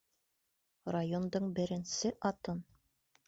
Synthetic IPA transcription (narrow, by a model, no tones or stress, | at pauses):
rajond̪ɤɴbɘ̆ɾɘ̆nsɘʔɑt̪ɤn